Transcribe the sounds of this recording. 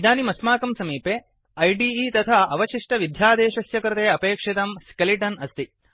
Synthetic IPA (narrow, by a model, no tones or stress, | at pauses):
d̪aːnimɐsmaːkɐmsɐmiːpeː | ɐjɖiːiːt̪ɐt̪ʰaɐʋɐt͡ʃiʂʈɐʋid̪ʱjaːd̪eːʃɐsjɐkɾɐt̪eːɐpeːkʂet̪ɐmskeliʈɐnɐst̪i